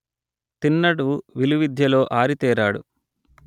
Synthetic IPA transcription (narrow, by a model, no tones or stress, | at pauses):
t̪inːɐɽuʋiluʋid̪ʱjɐlo̞ːʔaːɾit̪ɛːɾaːɽṵ